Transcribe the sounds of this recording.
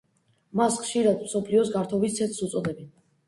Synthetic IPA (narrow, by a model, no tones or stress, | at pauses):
masχʃiɾad̪msɔpʰliɔsɡaɾt̪ʰɔvist̪sʰɛt̪ʰsut̪sʼɔd̪ɛbɛn